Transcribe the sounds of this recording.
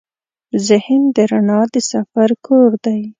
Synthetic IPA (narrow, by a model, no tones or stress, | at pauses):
zɪhɪnd̪əɾaɳɑd̪əsafaɾkʰoɾd̪aj